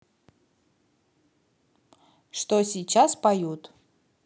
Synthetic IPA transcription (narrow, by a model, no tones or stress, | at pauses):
ʂt̪osʲit͡ɕaspajut̪